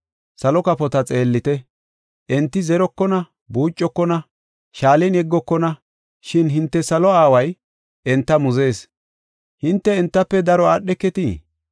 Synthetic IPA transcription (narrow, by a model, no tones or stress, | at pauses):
sɐlɔkɐpɔt̪ɐt͡sʼe̞ːlːɪt̪ɛ | ʔɛnt̪ːɪzɛɾɔkːɔnɐ | buːt͡ʃʼːɔkːɔnɐ | ʃaːlɛnɛɡːɔkːɔnɐ | ʃɪnɦɪnt̪ːɛsɐlɔaːwɐj | ɛnt̪ːɐmʊze̞ːs | hɪnt̪ːɛɛnt̪ːɐpːɛd̪ɐɾɔaːɗːɛkːɛt̪i